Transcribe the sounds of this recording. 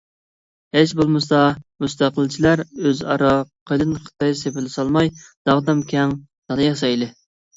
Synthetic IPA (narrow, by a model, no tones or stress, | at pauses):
het͡ʃbolˠmɨsɑmust̪æqəlˠt͡ʃʰilæɾøzɑɾɑqʰəjlˠɨnɨχʰə̥t̪ɑjsepɪlɪsɑlˠmɑjd̪̥ɑʁd̪ɑmkʲʰɛŋ | d̪̥ɑlˠɨjɑsɑjlɪ